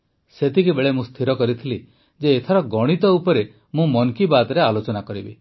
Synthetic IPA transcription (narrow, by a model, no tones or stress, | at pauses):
set̪ikibeɭemũst̪ʰiɾɔkɔɾit̪ʰili | d͡ʒeːt̪ʰaɾɔɡɔɽ̃it̪ɔupɔɾe | mũmɔŋkibad̪ɔɾealot͡ʃɔnakɔɾibi